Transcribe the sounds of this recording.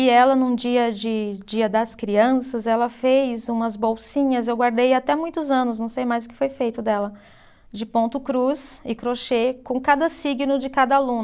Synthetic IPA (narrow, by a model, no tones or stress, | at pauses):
ɪɛlɐnũd͡ʒiɐd͡ʒɪd͡ʒiɐd̪ɐskɾiɐ̃sɐzɛlɐfejzũmɐzbowsĩɲɐzewɡwaɾd̪ejat̪ɛmũj̃t̪ʊzɐ̃nʊs̬nɐ̃w̃sejmajzʊkɪ̥fojfejt̪ʊd̪ɛlɐ | d͡ʒɪpõnt̪ʊkɾuzɪkɾoʃekõkad̪ɐsiɡɪnʊd͡ʒɪkad̪ɐalũn